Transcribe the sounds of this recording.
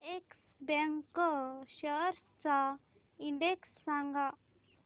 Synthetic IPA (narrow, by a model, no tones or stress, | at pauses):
eks | bɛŋkɕəɾ | t͡sa | iɳɖeksːaŋɡa